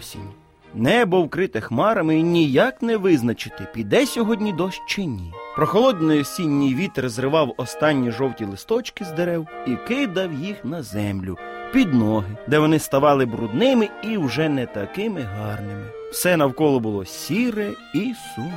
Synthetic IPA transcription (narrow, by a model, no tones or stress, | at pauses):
sʲḭnʲ | nɛbɔwkɾɪt̪ɪxmɑɾɐmɪinʲijɑknɛʋɪznɐt͡ʃɪt̪ɪpʲid̪ɛsʲɔɦɔdʲnʲid̪ɔʃt͡ʃenʲipɾɔxɔlˠɔd̪nɔjɔsʲinʲːijʋʲit̪ɾezɾɪʋɑwɔst̪ɑnʲːiʒɔwtʲilˠɪst̪ɔt͡ʃkɪzd̪eɾɛwikɪd̪ɐwjixnɐzɛmlʲʊ̰pʲid̪nɔɦɪd̪ɛʋɔnɪst̪ɐʋɑlˠɪbɾʊd̪nɪmɪiwʒɛnɛt̪ɐkɪmɪɦɑrnɪmɪ | wsɛnɐwkɔlˠɔbʊlˠɔsʲiɾɛ | isu